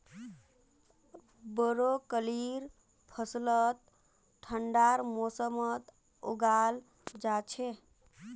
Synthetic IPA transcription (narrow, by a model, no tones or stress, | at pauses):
bəɾokəliɾ | pʰəslət̪ | ʈʰːəɳɖaɾmosəmət̪ | oɡal | d͡ʒat͡ʃʰe